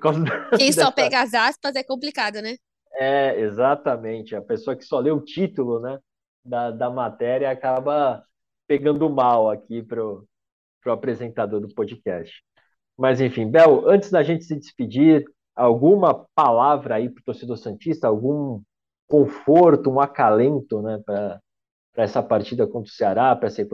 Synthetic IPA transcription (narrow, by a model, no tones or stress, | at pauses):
poɾkawzɐd̪ẽsd̪ɛɔpɛɡɐazaspɐzɛkõplikad̪ʊnɛ | ɛezat̪ɐmẽt͡ʃɪɐpesoɐkɪ̥sɔlewʊt͡ʃit̪ʊlʊnɛ | d̪ɐd̪ɐmat̪ɛɾiɐakabɐ | peɡɐ̃nd̪ʊmawakipɾʊ | pɾʊapɾezẽnt̪ad̪oɾd̪ʊpod͡ʒikɛ̰st͡ʃɪ̥ | mɐzẽfĩbɛwɐ̃nt͡ʃɪzd̪ɐʒẽnt͡ʃɪ̥sɪd͡ʒɪspid͡ʒiɾ | awɡũmɐpalavɾɐːipɾʊt̪oɾsed̪oɾsẽnt͡ʃist̪ɐawɡũ | kõfoɾt̪ʊũakalẽnt̪ʊnɛpɾɐ | pɾɐɛsɐpaɾt͡ʃid̪ɐkõnt̪ɾʊ̥seaɾapɾɐɛsek